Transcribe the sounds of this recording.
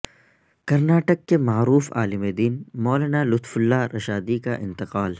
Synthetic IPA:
kɐɾnaːʈəkːemaːɾuːfa̰ːlɪmed̪iːnmɔːlanalʊt̪fʊlːaɾʔɐʃaːd̪ikaʔɪ̰̃nt̪ɪqaːl

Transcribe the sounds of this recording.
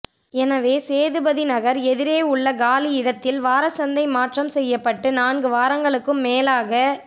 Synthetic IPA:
ɛnɐʋeːseːðɯbɐðinɐɣɐɾɛðɪɾeːʊɭːɐɡaːliɪɽɐt̪ːɪlʋaːɾɐsɐnd̪ɐɪmaːʈrɐmsɛjːɐpːɐʈːɯnaːnɡɯʋaːɾɐŋɡɐɭɯkːɯmːeːlaːɣɐ

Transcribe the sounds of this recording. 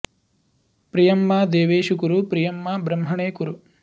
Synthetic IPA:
pɾijɐmːaːd̪eːʋeːʃukuɾupɾijɐmːaːbɾɐmɦɐɳeːkuɾu

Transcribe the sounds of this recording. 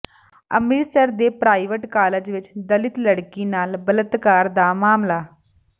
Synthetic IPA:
ə̰miɭsəɾd̪epɾaːjʋəʈkaːləd͡ʑʋit͡ɕd̪əlit̪ləɽkinaːlbələt̪kaːɾd̪amaːmlaː

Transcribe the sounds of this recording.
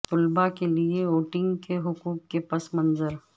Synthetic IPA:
t̪ʊlbakelieoːʈɪ̃ŋɡkeɦʊkuːkːepɐsmɐ̃nzəɾ

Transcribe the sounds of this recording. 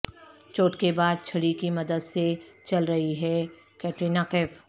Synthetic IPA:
t͡ʃoːʈkebaːd̪̚t͡ʃʰɐɽikimɐd̪əd̪set͡ʃɐlɾɐɦiɦɛ | kɛːʈɾiːnaːkeːf

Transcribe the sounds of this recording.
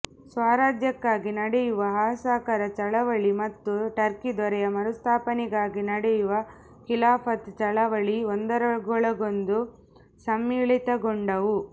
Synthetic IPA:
sʋaːɾaːd͡ʒ̪jɐkːaːɡinɐɽɛjuʋɐɦɐsaːkɐɾɐt͡ʃɐɭɐʋɐɭimɐt̪ːuʈɐɾkid̪ɔɾɛjɐmɐɾust̪ʰaːpɐniɡaːɡinɐɽɛjuʋɐ | kilaːpʰɐt̪t͡ʃɐɭɐʋɐɭiond̪ɐɾɐɡɔɭɐɡond̪u | sɐmjiɭit̪ɐɡoɳɖɐʋu

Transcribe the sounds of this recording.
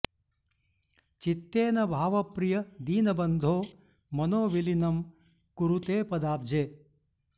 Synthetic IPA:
t͡ʃit̪ːeːnɐbʱaːʋɐpɾijɐd̪iːnɐbɐnd̪ʱoː | mɐnoːʋilinɐm | kuɾut̪eːpɐd̪aːb̚d͡ʒeː

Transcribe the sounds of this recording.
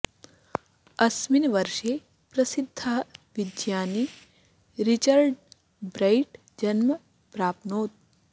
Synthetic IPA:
ɐsminʋɐɾʃeː | pɾɐsid̪ʱːɐʋid̪jaːni | ɾit͡ʃɐɾɖ | bɾɐjʈ | d͡ʒɐnmɐ | pɾaːpnoːt̪̚

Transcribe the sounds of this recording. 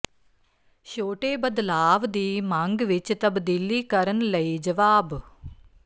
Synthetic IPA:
ʃoːʈeːbəd̪laːʋd̪iːmãŋɡʋɪt͡ʃt̪ɐbd̪ɪlːiːkɐɾənlɐiːd͡ʒɐʋaːb

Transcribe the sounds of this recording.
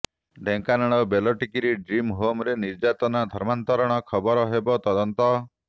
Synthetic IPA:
ɖʱeŋkanaɽ̃ɔbelɔʈikiɾiɖɾimɦomɾeniɾd͡ʒat̪ɔnad̪ʱɔɾmant̪ɔɾɔɽ̃ɔkʰɔbɔɾɔɦebɔt̪ɔd̪ɔnt̪ɔ

